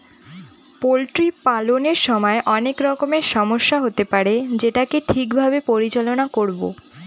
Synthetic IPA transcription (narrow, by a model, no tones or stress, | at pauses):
polʈɾipaloneɾʃɔmɔeʔɔnekɾɔkomeɾʃɔmoʃːaɦot̪epaɾed͡ʑeʈakeʈʰikbʱabepoɾit͡ɕalonakoɾbo̰